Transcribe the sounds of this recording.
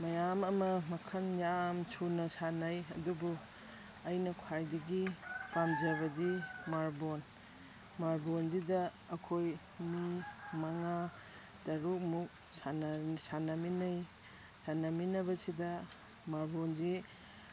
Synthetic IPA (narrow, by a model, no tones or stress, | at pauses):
mɐjamɐmɐmɐkʰɐnjamsʰunɐsanajɐdubu | ɐjnɐkʰwajdɐɡipamzɐbɐdimaɾbon | maɾbonzidɐː | kʰoj | mimaŋa | tɐɾuk̚muk̚ | sansanɐminaj | sanɐminɐbɐsidɐ | maɾbonzi